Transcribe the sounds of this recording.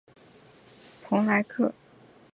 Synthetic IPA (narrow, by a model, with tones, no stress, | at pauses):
pʰʊ˧˥ŋla˧˥ɪkʰɤ˥˩